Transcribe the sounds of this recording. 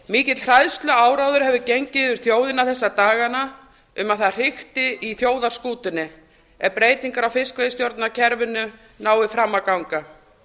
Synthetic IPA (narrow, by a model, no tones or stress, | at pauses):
miːcɪt̪lr̥ajðst̪lʏaːwɾawðʏɾhɦɛvðʏcejɲcɪðʏɾ̥θjoːwðɪnaθɛsːat̪aːɣana | ʏmaðθaðr̥ɪxt̪ɪiθjoːwðaɾ̥skuːt̪ɪnːɪ | ɛɾpɾeːjt̪iŋkaɾawfɪskvejst̪jowɾt̪nacʰɛɾvɪnːʏ | naːwɪfɾamːakawŋka